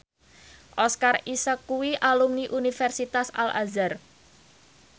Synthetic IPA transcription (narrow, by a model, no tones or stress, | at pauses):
ʔɔskarisəkuwiʔalumniʔunifɛrsit̪asa̰la̰zar